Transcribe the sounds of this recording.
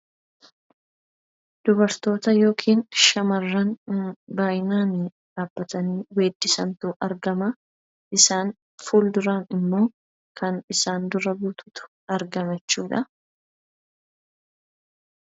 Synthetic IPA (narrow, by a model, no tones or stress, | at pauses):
d̪̥ʊbɐɾt̪o̞ːt̪ɐjo̞ːkʰiːnʃɐmɐrːɐnbaːjɪnaːn | ᶑaːb̥ːɐt̪ɐniːweːd̪ːɪsɐ̰nt̪ʊːʔɐɾɡɐmɐ | ʔɪsaːn | fuːld̪ʊɾaːnɪmːo̞ː | kʰɐnɪsaːnd̪ʊɾɐbuːt̪ʰʊ̥t̪ʊ̥ | ɐɾɡɐmɛt͡ʃːuːᶑɐ